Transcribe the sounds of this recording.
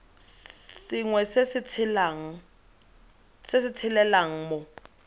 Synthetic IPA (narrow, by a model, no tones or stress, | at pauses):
sɪŋwɛsesɪt͡sʰɪlaŋ̩ | sɪsɪt͡sʰɪlɛlaŋ̩mo